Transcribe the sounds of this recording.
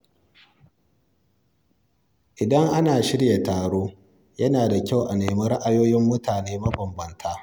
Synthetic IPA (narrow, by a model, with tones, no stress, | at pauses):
ʔɪ˨dɐ˦ŋʔa˦naː˨ʃɪ˦ɽja˨taː˨ɽoː˦ | jɐ˦naː˨da˨kʲa˦wʔa˨neː˨mɐ˦ɾa˦ʔa˨joː˦jɪ˦mːʊ˦taː˨neː˦mɐ˦bɐ˨mbɐ˨ntʰaː˦